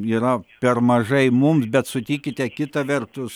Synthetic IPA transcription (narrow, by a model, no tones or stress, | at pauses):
iːɾɐpʲɛrmɐʒɐɪmʊmsbʲɛt̪sʊt̪ʲiːkʲɪt̪ʲɛkʲɪt̪ɐʋʲɛrt̪ʊs